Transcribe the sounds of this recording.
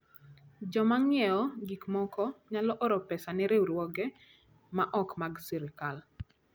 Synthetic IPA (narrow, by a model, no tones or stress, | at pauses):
d͡ʒɔmaŋjɛɔɡikmɔkɔɲalɔʔɔɾɔpɛsanɛɾeuɾwɔɡɛ | maʔɔkmaɡsiɾɪkal